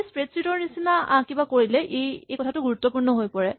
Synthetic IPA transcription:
spɹetsɹitɔɹnisinakibakoɹilɛʔejejkɔtʰatʊɡuɹutːɔpuɹnɔɦojpɔɹɛ

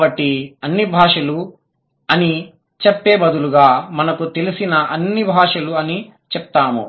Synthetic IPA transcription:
bɐʈːiɐnːibʱaːʂɐlu | ɐni | t͡ʃepːe̞ːbɐd̪uluɡaːmɐnɐkut̪e̞lisinɐʔɐnːibʱaːʂɐluɐni | t͡ʃɛp̚t̪aːmṵ

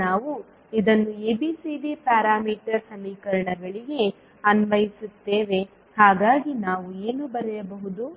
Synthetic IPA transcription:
aːʋu | id̪ɐnːueːbisibipaːɾaːmiːʈɐɾsɐmiːkɐɾɐɳɐɡɐɭiɡe̞ | ɐnʋɐjisut̪ːe̞ːʋe̞ | haːɡaːɡinaːʋueːnubɐɾɛjɐbɐɦud̪u

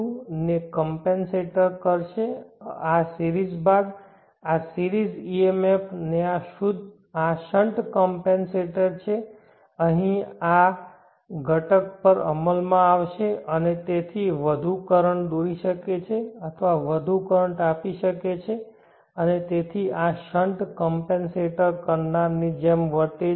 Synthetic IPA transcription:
nekəmpenseʈəɾkəɾʃeasiɾid͡ʒbad̪ | asiɾid͡ʒiemepʰneaʃud̪ʱ | aʃəɳʈkɔmpenseʈəɾt͡ʃʰe | əɦĩa | ɡʱəʈəkpəɾə̰məlmãaʋʃeənet̪et̪ʰiʋəd̪ʱukəɾəɳd̪oɾiʃəket͡ʃʰeət̪ʰʋaʋəd̪ʱukəɾəɳʈapiʃəket͡ʃʰe | ənet̪et̪ʰiʔaʃəɳʈkɔmpẽnseʈəɾkəɾnaɾnid͡ʒemʋəɾt̪e

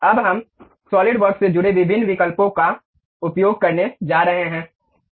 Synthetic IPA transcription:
ɐbɦɐm | sɔːlɪɖʋɐɾksed͡ʒʊɽeʋɪbʱɪnːʋɪkəlpõka | ʊpjoːɡ̚kɐɾned͡ʒaːɾɐɦeɦɛ̃ː

